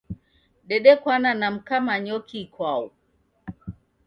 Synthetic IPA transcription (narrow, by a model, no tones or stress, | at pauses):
ɗɛɗɛkwananam̩kamaɲɔkʰikwaɔ